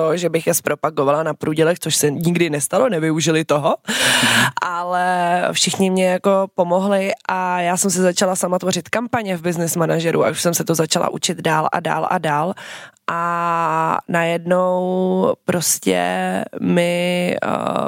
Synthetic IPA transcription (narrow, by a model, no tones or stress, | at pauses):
t̪oʒɛbɪxjɛspɾʔo̞paɡovalanapɾuːɟɛlɛxt̪t͡soʃsɛɲɪɡdɪnɛst̪alonɛvɪuʒɪlɪt̪oɦo | ʔalɛfʃɪxɲɪmɲɛjako̞po̞mo̞ɦlɪʔajaːsɛms̬ɪzat͡ʃalasamat̪vo̞rɪt̪kampaɲɛvbɪznɪsmanaʒɛɾʔua̰ʔuʃsɛmsɛt̪ozat͡ʃalʔa̰ʔṵt͡ʃɪd̪daːlʔa̰da̰ːlʔa̰daːlʔa | najɛdno̞wpɾo̞scɛ̰mɪ